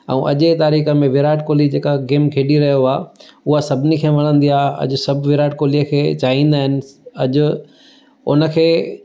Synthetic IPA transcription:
ɛ̰̃ʔɐʄet̪aːɾiːxə̆mẽʋɪɾaːʈkoːlid͡ʑeːkaɡeːmkʰeːɗiɾɐɦijoaːʊɦasɐbʱɪnikʰeːʋɐɽ̃ə̃nd̪iaːɦɐ̰ʄʊ̆sɐbʋɪɾaːʈkoːliəkʰeːt͡ɕaːɦĩːnd̪aːɦɪnɪ̆ɐʄʊ̆ | ʊ̰nə̆kʰeː

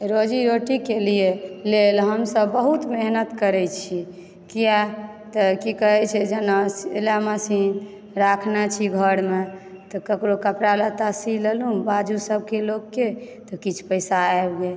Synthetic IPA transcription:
ɾod͡ʒiɾoʈikelijelelɦəmsəbːəɦut̪meɦnət̪kəɾɛt͡ʃʰi | kija | t̪ɔkikəɦɛt͡ʃʰɛd͡ʒənalaməsin | ɾakʰnat͡ʃʰiɡʱəɾme | t̪ɔkəkɾokəpɾalət̪asilelũbad͡ʒusəb̚kelokːet̪ɔkit͡ʃʰpəjsaɛbɡe

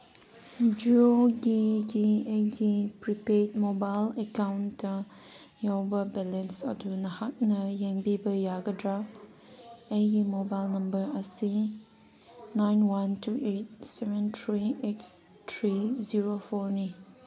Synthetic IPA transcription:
d͡ʒioɡiɡieɡipɹipɛtmobaɪləkãʊ̃nta | jɔbəbɛlə̃nsa̰tunahak̚nəjɛ̃ŋbibəjaɡədɹa | eɡimobaɪlnɐ̃mbəasi | nãjnwãntuʔet̚sɛvə̃nt̪ʰɹiet | tʰɹiziɹofɔnẽ

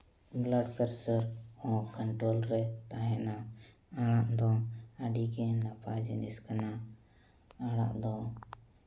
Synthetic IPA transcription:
blaɖpɛɾsəɾɔ̃kəɳʈɾolɾɛt̪aɦɛ̃na | aɽaʔd̪ɔaɖiɡɛnapad͡ʒɛniskana | aɽ̃a̰ʔd̪ɔ

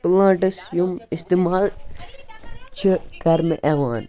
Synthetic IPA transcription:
plãːʈɐsjumist̪iːmaːl | t͡ʃʰikɐɾnɨʔeʋaːn

